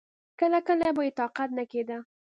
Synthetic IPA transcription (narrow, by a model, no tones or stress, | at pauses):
kəlakəlaboit̪ɑqat̪naked̪a